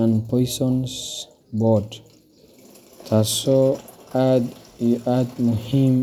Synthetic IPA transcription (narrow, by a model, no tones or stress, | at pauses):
anpɔjsɔns | bɔd | t̪ʰasɔad̪ad̪muhim